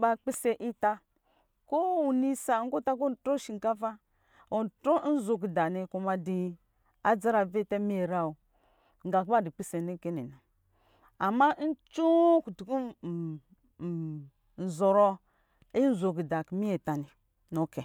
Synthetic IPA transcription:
ba˦k͡pi˦se˨ʔi˦ta˦ | ko˦u˨ni˦sa˨ŋ̩˦ɡo˦ta˦ko˦n˨tɾo˦ʃi˨ŋ̩˨ka˦va˦ | o˨n˨tɾo˦n̩˦zo˨ɡi˨da˨ni˨ku˨ma˨di˨ | a˦d͡za˦ɾa˨ve˦te˦mi˦e˨ɾa˦o˨ | ŋ̩˦ɡa˨kba˦di˨k͡pi˦se˨ni˦ke˦nḭ˨na˨ | a˨ma˦n̩˦t͡ʃu˦ku˨tu˨ku˦˨ | n̩˨zo˨ɾɔ˦ | i˦n̩˦zo˨ɡi˨da˨kmi˦je˨ta˨ni˨ | no˨˦ke˨

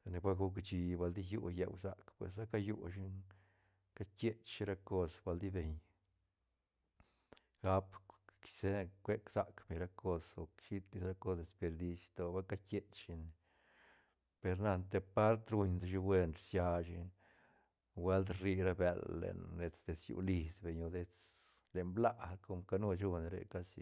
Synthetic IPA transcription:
ne˧bʷa˦ɡu˦kt͡ʃi˧ba˧ld̪i˦ju˦jḛ˨wsa̰˨kpwḛ˨s̬a˦ka˦ju˦ʃ̬i˦ | ka˦kʲe˦t͡ʃʃi˦ɾa˦ko˧sba˧ld̪i˦be˨ɲ | ɡa˦pki̥se˦kʷe˦ksa˨kbe˨ɲɾa˦ko˧so˨kʃi˦t̪li˧sɾa˦ko˦sd̪e˨spe˧ɾd̪i˧sjt̪o˨ba˦ka˦kʲe˦t͡ʃʃi˧n˨ | pe˧ɾna˧nt̪e˧pa˦ɾt̪ɾu˧ɲd̪ʃ̬i˧we˧nɾsja˧ʃi˧ | we˦ld̪ri˧ɾa˦be˧lːḛ˨nɾe˧t͡sd̪e˧sjṵ˧˨li˧sbe˨ɲo˧d̪e˧t͡s | le˨nbla˦ko˧mka˦nu˦t͡ʃu˧n˧ɾḛ˨ka˦sḭ˧

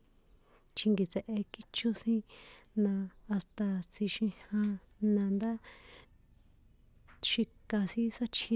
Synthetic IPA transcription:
t͡ʃi˧ŋɡi˨t͡se˨ʔe˧ki˦t͡ʃu˦sĩ˦nãː˧st̪a˧t͡si˧ʃĩ˧hã˧ | nã˧nd̪a˦ | ʃi˧ka˧sĩ˦sa˦t͡ʃʰi˧

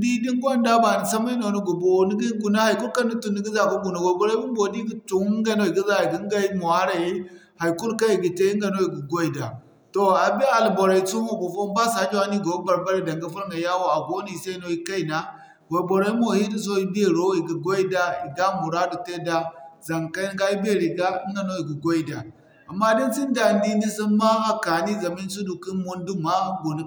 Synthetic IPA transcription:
di˦di˦ŋ˦ɡʷa˦nda˦ba˨ni˨sa˦ma˦i˦no˨nu˦ɡu˨bo˨o˨ni˦ɡi˦ɡu˨na˦ha˨i˨ku˦lka˦u˦tu˨nːi˦ɡi˦za˨ku˦ɡu˨na˨wo˨bo˨ɾo˦bi˦m˦bo˨di˦ɡi˨˦tu˨˦ŋɡa˦no˦i˨ɡi˦za˦i˨ɡi˨˦ŋ˦ɡa˦i˦mo˨ha˦ɾa˨ji˦ha˨i˨ku˦lka˦i˨ɡi˨te˦i˦ŋɡa˨no˦i˨ɡu˨ɡo˦i˨da˨ | to˨a˨bi˦a˨lbo˨ɾa˨i˨˦so˦mo˨bo˨fo˦ba˦sa˨˦d͡ʒo˦a˦ni˦ɡo˨˦ba˨ɾba˦ɾa˦˨da˨ŋɡa˦fu˦ɾŋa˨ja˦wo˨a˨ɡo˦ni˦˨sa˦i˦no˨i˦ka˦i˨na˦ | wo˨bo˨ɾa˨˦i˦mo˨hi˦di˦˨s̬o˦i˦bi˦e˨ɾo˦i˨ɡi˨ɡo˦i˦da˦i˨ɡa˦mu˨ɾa˦du˨te˦da˦za˨ŋ˨ka˦ɡa˦i˦bi˦e˦˨ɾi˨ɡa˦i˦ŋɡa˨no˦i˨ɡi˨ɡo˦i˦da˨ | a˨mːa˦di˦nsi˦nda˨ndi˦ni˦si˦ma˦ma˦ka˨ni˦za˨mi˦n˦su˦du˨ki˦nmu˦ndu˦ma˦ɡo˨n˦

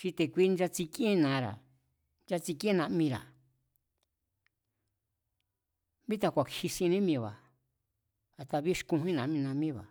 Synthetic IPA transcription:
t͡ʃi˧t̪e˨kʷi˧˦nd͡ʒa˧t͡si˧kĩ˦nã˨˦ɾa̰˨ | nd͡ʒa˧t͡si˧kĩ˦nã˧ʔmĩ˧ɾa̰˨ | bĩ˦t̪a˧kʷa˨khi˧sĩ˧nĩ˦mĩ˧˨βa˨ | a˨t̪a˧βi˦ʃkũ˧ɦĩ˦nã˨ʔmĩ˧nã˧mĩ˦βa̰˨

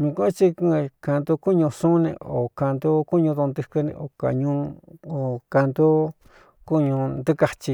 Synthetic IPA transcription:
mĩ˧kũ˦t͡ʃi˦ku˦˧ka˧nd̪u˧ku˦˨ɲũ˧sũ˦nḛ̃˧o˨ka˧nd̪u˦ku˦ɲũ˧ðu˧nd̪ɨ˧kɨ˧nḛ̃˧ʔo˨ka̰˨ɲũ˧o˨ka˧nd̪u˦ | ku˦ɲũ˧nd̪ɨ˦ka˧t͡ʃi˧

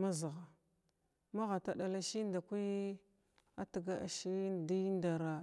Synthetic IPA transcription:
ma˦za˨ɣa˨ | ma˦ɣa˨ta˨ɗa˨la˨ʃi˦nda˨kʷi˦ | a˦ti˨ɡa˦a̰˨ʃi˦di˦nda˨ɾa˨

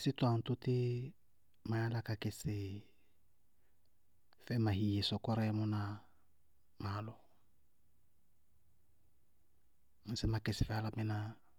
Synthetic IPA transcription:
sɪ˦twã˨n̩˨tʊ˦tɪ˦ | ma˨ja˦la˦ka˨kɪ˨sɪ˨ | fɛ˦ma˨hi˨je˨sɔ˨kɔ˦ɾɛ˦mʊ˦na˨ | ma˨˦lɔ˨ | m̩˨sɛ˦ma˨kɪ˨sɪ˨fɛ˨a˦la˨mɛ˦na˦

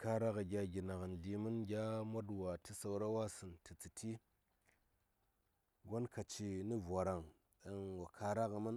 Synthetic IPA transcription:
ka˧ɾa˦ka˨ɡʲa˧ɡʲi˨na˨kn˨ɮi˨mɨ˦nɡʲa˦mo˦dwa˨ti˦sa˨wɾa˦wa˦sɨ˨nti˨t͡si˨tʰi˦ | ɡo˦nka˨t͡ʃi˨ni˦vʷa˨ɾa˨ŋ | e˦nwa˨kʰa˧ɾa˦kɨ˧mɨ˦n

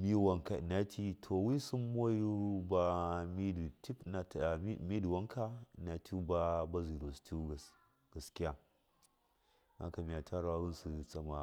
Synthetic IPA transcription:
mi˦wa˦ŋka̰˨na˦tʰi˦tʰo˨wi˦su˦mːo˦ju˦ba˦mi˦du˨ti˦pna˨ta˨˦mi˦du˨wa˦ŋkʰa˦˨na˨tʰu˦ba˦ba˦zi˨ɾo˨stu˦ɡa˨s | ɡ̥a˨skʲi˦ja˨ | na̰˦ka˨mi˨a˨tʰa˦ɾwa˦ɡu˦nsu˨t͡sʼa˦ma˨

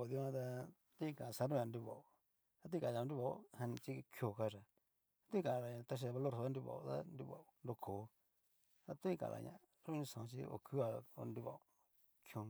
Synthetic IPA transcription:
o˨ði˧˦ã˧t̪a˧ | t̪i˦˧˨kã˨sa˧˦ɾõ˦˧ã˧ndu˧βa˨u˨ | a˧t̪̬i˦˨ka˨˧ja˧˨˧nɾi˧βa˨ṵ˦hã˧nĩ˧t͡ʃi˦˧kʰjo˧˨ka˧ʐa˨ | a˧t̪u˦ĩ˦˧kã˨˧ɾa˨ɲã˧˨t̪a˧ʃ̬i˧a˧βa˧lo˦˨ɾso˧a˦ndu˧βa̰˨u˨˧t̪a̰˦ndu˧βa̰˨u˧ndo˧kʰo˨˦ | t̪a˧t̪u˦ĩ˦˧kã̰˨lʔa̰˨ɲã̰˨ | ɾo˦ɲũ˧sã˨˧t͡ʃḭ˧o̰˧˨kʰu˦a˧o̰˧ndu˧βa̰˨u˨ | kʰjõ˧

